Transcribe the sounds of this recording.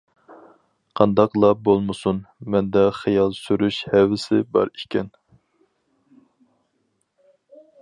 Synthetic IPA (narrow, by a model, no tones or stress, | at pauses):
qʰɑnd̪ɑqlˠɑbolˠmɨsunmɛnd̪ɛχijɑlˠsyɾyʃhɛvɪsɪbɑ̰ɾikʲʰɛn